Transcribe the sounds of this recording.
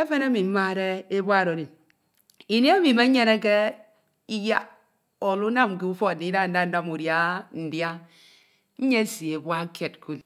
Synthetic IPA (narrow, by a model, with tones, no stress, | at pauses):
e˦fe˦na˦mi˨m̩˦ma˦ɾe˦e˦bwa˦˨ɾo˨ɾi˨n | i˨ne˦a˦mi˨ma˦ɲe˦ne˦ke˦ | i˦ja˦ | o˨lu˦na˦m˨ki˦u˦fɔ˦˨ni˨˦da˦˨n̩˦da˦n̩˦da˦mu˨ɾja˦n̩˨dja˦ | ɲ̩˦ɲe˦si˨e˨ba˦ke˨t̚ku˦l